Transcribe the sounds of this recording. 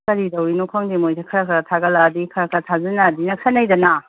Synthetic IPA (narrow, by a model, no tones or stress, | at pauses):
kɐɾidɐwinukʰaŋdimojsekʰɐɾɐkʰɾatʰaɡɐladikʰɐɾɐkʰɾɐtʰazɐnadinɐkʰsʰɐnajdɐna